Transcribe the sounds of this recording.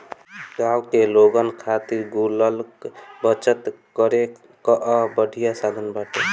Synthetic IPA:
ɡawkeloɡənkʰat̪iɾɡuləlkbət͡ʃət̪ | kəɾe | kəʔəbəɖʱijasad̪ʱənbaʈe

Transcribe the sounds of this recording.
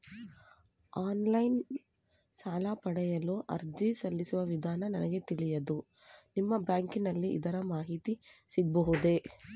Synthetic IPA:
aːnlɐjn | saːlapɐɽɛjɐluʔɐ̰ɾd͡ʒisɐlːisuʋɐʋid̪ʱaːnɐnɐnɐɡe̞t̪iɭijɐd̪u | nimːɐbjaːŋkinɐlːiʔḭd̪ɐɾɐmaːɦit̪isiɡ̚bɐɦud̪e̞

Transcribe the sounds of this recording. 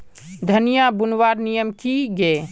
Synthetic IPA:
d̪ʱənijabunwaɾnijəmkiɡe

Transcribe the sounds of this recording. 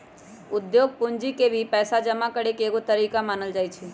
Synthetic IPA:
ʊd̪joːɡ̚pʊɲd͡ʒikebʱipɛːsad͡ʒəmakəɽekeːkot̪əɾiːkamaːnəld͡ʒaːjt͡ʃʰe

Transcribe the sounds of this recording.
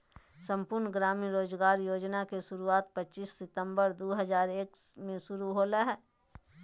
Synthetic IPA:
sə̃mpʊɾnɡɾaːmiɾoːzɡaːɾjoːd͡ʒnakeʃʊɾuaːt̪̚pət͡ʃʃiːsːɪt̪ə̃mbəɾd̪oːɦəzaːɾeːkmẽʃʊɾuɦoːleɦɛː

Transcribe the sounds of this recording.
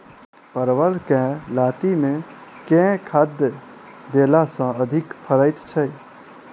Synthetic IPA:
pəɾʋəlkɛ̃laːt̪imẽkɛ̃kʰad̪jə | d̪elasə̃əd̪ʱɪkpʰəɾəjt̪t͡ʃʰəj

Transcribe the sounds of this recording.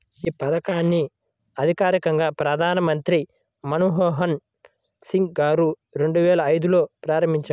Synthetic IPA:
iːpɐd̪ɐkaːnːi | ɐd̪ʱikaːɾikɐŋɡaːpɾɐd̪ʱaːnɐmɐnt̪ɾi | mɐnuɦɔːɦɐn | siŋkɡaːɾu | ɾe̞ɳɖuʋɛːlɐːjd̪ulo̞ːpɾaːɾɐmbiɲt͡ʃɐ

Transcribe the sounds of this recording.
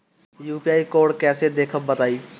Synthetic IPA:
juːpiaːikoːɽkɛsed̪eːkʰəbbət̪aːi

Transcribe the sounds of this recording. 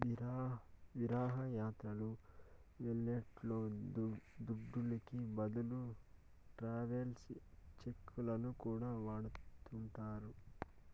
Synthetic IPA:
ʋiɾaːɦɐjaːt̪ɾɐlu | ʋeɭːɐʈlo̞ː | d̪uɖːulikibɐd̪ulu | ʈɾaːʋelst͡ʃe̞kʰːulɐnukuːɽaːʋaːɽut̪uɳʈaːɾu

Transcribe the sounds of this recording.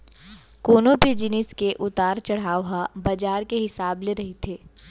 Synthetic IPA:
koːnobʱid͡ʒɪnɪskeʔʊt̪aːɾt͡ʃɐɽ̤aːɦabɐd͡ʒaːɾkeɦɪsaːbleɾɐɦit̪ʰeː

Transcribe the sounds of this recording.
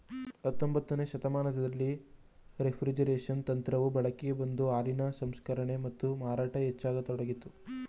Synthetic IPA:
ɐt̪ːombɐt̪ːɐne̞ːʃɐt̪ɐmaːnɐt̪ʰɐd̪ɐlːi | ɾepʰɾid͡ʒɐɾeːʂɐnt̪ɐnt̪ɾɐʋubɐɭɐkeɡebɐnd̪uaːɾinɐsɐmskɐɾɐɳe̞mɐt̪ːumaːɾaːʈɐet͡ʃːaːɡɐt̪ɔɽɐɡit̪ːu

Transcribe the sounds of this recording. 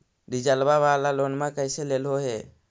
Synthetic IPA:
ɾid͡ʒəlbaʋaːlaloːnmãkəɪseleːlɦoɦeː

